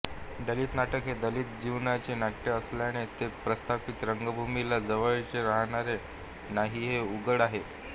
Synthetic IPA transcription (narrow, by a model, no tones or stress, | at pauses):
d̪əliːt̪naʈəkɦed̪əliːt̪̚d͡ʑiʋɳat͡ɕenaʈːjeəsljaɽ̃et̪epɾəst̪ʰapit̪ɾəŋɡəbʱumilad͡zəʋəʋt͡ɕeɾaɦɽ̃aɾe | naɦiːɦeuɡəɽaɦe